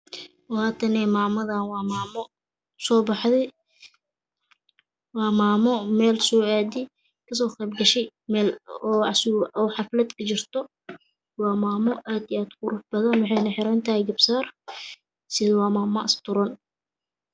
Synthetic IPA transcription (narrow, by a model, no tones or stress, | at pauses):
wɑːt̪ʰɐnɛːmaːmɐðanwɑːmaːmɔ | sɔːbɑħðɛj | wɑːmaːmɔmɛːlsɔːaːd̪ɪ | kʰɐs̬ɔːqɛjbɡɐʃɛj | mɛːlɔːsɪʔɔħɑflɐd̪kʰɐt͡ʃɪrt̪ʰɔ | wɑːmaːmɔʔaːd̪iaːd̪kʊɾʊfbɐðɐnmʊħɛjnɐħɪɾɐnt̪ʰɐhɛjɡɐbsaːr | sɪðwɑːmaːmɐɪst̪ʰʊɾɐn